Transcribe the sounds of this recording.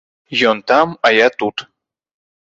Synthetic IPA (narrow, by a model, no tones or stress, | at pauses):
jont̪amajat̪ut̪